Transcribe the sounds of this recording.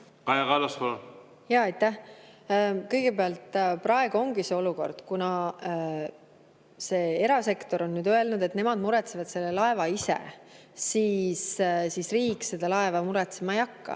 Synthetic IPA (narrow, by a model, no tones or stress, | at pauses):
kɑjɑkɑːlɑskol | jɑːɑjt̪ːˑæh | kɤjɡ̥e̞peɑlt̪ˑprɑe̞ɡuo̞ŋɡ̥iseo̞luko̞̰rd̪̥kunɑ | se̞ːe̞ɾɑse̞kt̪o̞ɾo̞nːyːd̪̥øe̞lnud̪e̞t̪ne̞mɑd̪̥muɾɛt̪se̞vɑd̪se̞lːe̞lɑe̞vɑisḛ | siːssisriːkˑse̞d̪̥ɑlɑevɑmuɾɛt̪semɑejɑkːɑ̰